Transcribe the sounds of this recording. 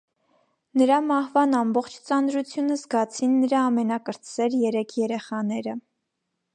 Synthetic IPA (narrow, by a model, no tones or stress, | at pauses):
nəɾɑmɑhvɑnɑmbɔχt͡ʃʰt͡sɑnɾut͡sʰjunəzɡɑt͡sʰinːəɾɑːmɛnɑkəɾt͡svɛɾjɛɾɛkʰjɛɾɛχɑnɛɾə